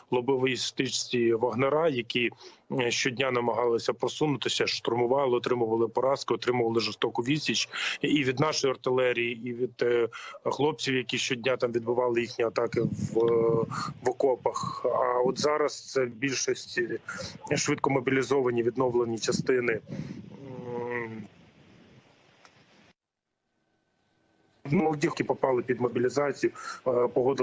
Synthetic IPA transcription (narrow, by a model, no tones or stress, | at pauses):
lˠɔbɪʋɔjist̪ɪt͡ʃtʲiʋɐɦneɾɑjɐkʲiʃt͡ʃɔdʲnʲanɐmɐɦɑlˠɪsʲɐpɾɔsunʊt̪ɪsʲɐʃt̪ʊrmʊʋɑlˠɪɔt̪ɾɪmʊʋɐlˠɪpɔɾɑskɪɔt̪ɾɪmʊʋɐlˠɪʒɔst̪ɔkʊʋʲisʲit͡ʃiʋʲid̪nɑʃɔjiɔrt̪ɪlˠɛɾʲijiiʋʲid̪ | ɦlˠɔp̚t͡sʲiwjɐkʲiʃt͡ʃɔdʲnʲat̪ɑmʋʲid̪bʊʋɑlˠɪjixnʲiɐt̪ɑkɪʋ | ʋɔkɔpɐxɐɔt̪zɑɾɐst̪sɛbʲilʲʃɔsʲtʲ | ʃʋɪt̪̚kɔmɔbʲilʲizɔʋɐnʲiʋʲid̪nɔʋlˠenʲit͡ʃɐst̪ɪnɪ | numɔlˠɔdʲikʲipɔpɑlˠɪpʲid̪mɔbʲilʲizɑt͡sʲijʊpɔɦɔd̪ɪ